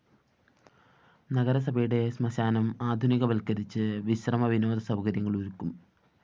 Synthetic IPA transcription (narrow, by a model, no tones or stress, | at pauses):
nɐɣɐɾɐs̬ɐbʱɐjuɽe̞smɐɕaːnɐmaːd̪ʱuniɣɐʋɐlkɐɾit͡ɕːɨʋiɕrɐmɐʋino̞ːd̪ɐsɐwkɐɾjɐŋːɐɭoɾukːum